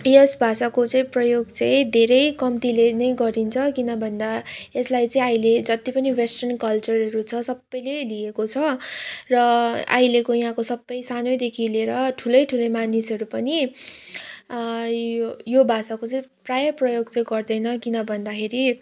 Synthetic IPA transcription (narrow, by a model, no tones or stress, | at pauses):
jʌsbʱasakot͡sʌĩprʌjoɡt͡sʌ̃ĩd̪ʱeɾʌjkʌmt̪ilenʌjɡʌɾint͡sʰʌkinʌbʱʌnd̪aeslajt͡sʌĩaijled͡zʌt̪ipʌniwesʈʌnkʌlt͡sʌrʌɾut͡sʰʌsʌbːʌjleliekot͡sʰʌrʌa̰jlekojɦãkosʌbːʌjsanojd̪ekʰileɾʌʈʰulʌjʈʰulʌjmanisʌɾupʌni | jobʱasakot͡sʌĩprajʌprʌjoɡt͡sʌĩɡʌrd̪ʌjnʌkinʌbʱʌnd̪akʰeɾi